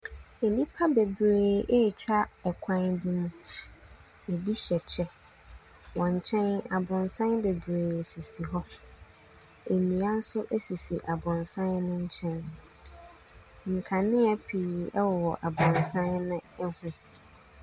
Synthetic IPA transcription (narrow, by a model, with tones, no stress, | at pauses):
e˨nĩ˦pʰa˦be˨bɾeː˨ʔe˦˨t͡ɕᶣa˦ɛ˨kʷʰã˦nbi˦mũ˦ | e˨bi˦ɕɛ˨t͡ɕʰɛ˦ | wɔ̃˨ɲ̩˨t͡ɕʰɛ̃˦na˨bʊ̃˨nsã˦nbe˨bɾeː˨e˨si˨si˨ɦɔ˦ | e˨nĩ˨a˦n̩˦sʊ˦ʔe˦si˨si˨ʔa˨bʊ̃˨nsã˦nnʊ̃˦ɲ̩˦t͡ɕʰɛ̃˦n | ŋ̩˨kʰa˨nɪ̃˦a˦pʰi˨ɛ˦wɔ˨wɔ˨ʔa˨bʊ̃˨nsã˦nnʊ̃˦ɛ˦hʊ̃˦